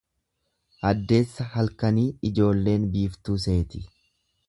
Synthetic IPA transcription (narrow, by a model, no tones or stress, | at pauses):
ʔɐd̪ːe̞ːsːɐhɐlkɐniːɪd͡ʒo̞ːlːe̞ːnbiːft̪uːs̬e̞ːt̪ɪ̥